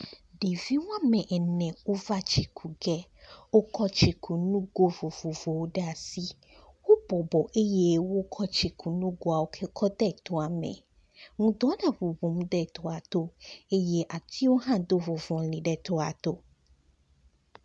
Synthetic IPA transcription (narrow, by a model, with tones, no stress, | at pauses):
ɖe˨vi˦wo˦a˦mɛ̃˨ʔɛ˨nɛ̃˨wo˦va˦t͡ɕi˨kʰu˨ɡɛ˦wo˦kʰɔ˦t͡ʃi˨kʰu˨nũ˦ɡo˦vo˨vo˨vo˨wo˦ɖɛ˦a˨si˦ | wo˦bɔ˨bɔ˨ʔe˦je˦wo˦kʰɔ˦t͡ɕi˨kʰu˨nũ˦ɡo˦a˨wo˦kʰɛ˦kʰɔ˦d̪ɛ˦˨t̪o˦a˨mɛ̰̃˨ | ŋũ˦d̪ɔ̃˦ɖɛ˦vo˨vo˨mũ˦d̪ɛ˦˨t̪o˦a˨t̪o˦e˦je˦ʔa˨t̪ʰi˦wo˦ɦã˦d̪o˦vo˨vɔ̃˨lĩ˨ɖɛ˦t̪ɔ˦a˨t̪o˦